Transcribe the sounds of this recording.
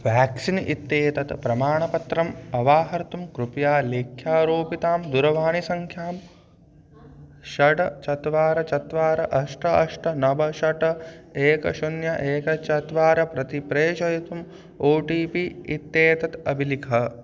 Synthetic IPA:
ʋaːksinḭt̪ːeːt̪ɐt̪pɾɐmaːɳɐpɐt̪ɾɐmɐʋaːɦɐɾt̪umkɾupjaːleːkʰjaːɾoːpit̪aːmd̪uɾɐʋaːɳisɐŋkʰjaːm | ʃɐʈɐt͡ʃɐt̪ʋaːɾɐt͡ʃɐt̪ʋaːɾɐʔɐʂʈɐɐʂʈʰɐnɐbɐʃɐʈɐeːkɐ̰ʃunjɐʔeːkɐt͡ʃɐt̪ʋaːɾɐpɾɐt̪ipɾeːʃɐjɐt̪um | oːʈiːpiit̪ːeːt̪ɐt̪ɐbʱilikʰɐ

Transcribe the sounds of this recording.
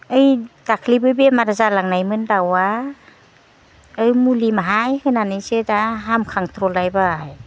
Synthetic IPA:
ɯjdakʰlibɯjbemaɾazalaŋnajmɯndawa | ɯjmulimaɦajhɯnanɯjsɯdaɦamkʰaŋt̪ʰɾɔlajbaj

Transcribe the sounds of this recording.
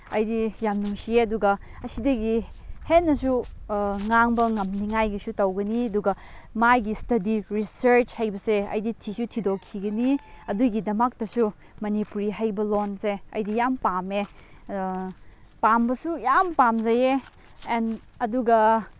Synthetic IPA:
ɐ̰jdijamnuŋsieɐduɡɐɐsidɐɡihenːɐsu | ŋaŋbɐŋɐmniŋajɡisutɐwɡɐniɐduɡɐ | majɡistɐdiɾisɐɾt͡ʃhajbɐseɐ̰jditʰisutʰidokʰiɡɐniɐduɡidɐmak̚tɐsu | mɐnipuɾiɦajbɐlonseɐ̰jdijampame | pambɐsujampamzɐje | n | ɐduɡɐ

